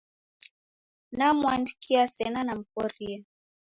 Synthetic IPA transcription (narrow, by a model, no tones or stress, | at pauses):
namwandikʰiasɛnanam̩kɔɾia